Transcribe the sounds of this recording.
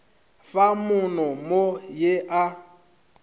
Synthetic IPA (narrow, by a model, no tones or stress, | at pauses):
famʊnɔmojeʔa